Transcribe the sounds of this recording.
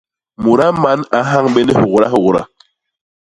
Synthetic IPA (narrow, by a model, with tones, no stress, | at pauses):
mu˨ɾa˦ma˦na˨˦ɦa˦ŋɓe˦nɛ˦hu˨ɣɾa̰˦hu˨ɣɾa̰˦